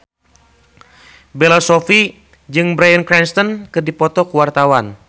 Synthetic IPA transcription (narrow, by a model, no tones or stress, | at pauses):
bɛlasɔfi | d͡ʒɨŋbɾajənkɾɛnst̪ɔnkɨrdipɔt̪ɔkuwart̪awan